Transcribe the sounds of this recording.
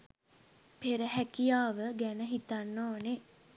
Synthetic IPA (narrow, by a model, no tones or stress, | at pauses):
peɾəɦækijaːʋəɡænəɦit̪anːoːne